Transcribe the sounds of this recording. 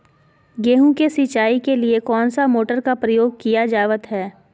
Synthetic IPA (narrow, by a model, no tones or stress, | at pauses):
ɡeːɦũkesɪt͡ʃaːikeliekɔːnsamoːʈəɾkapɾəjoːɡ̚kijad͡ʒaːʋət̪ɦɛː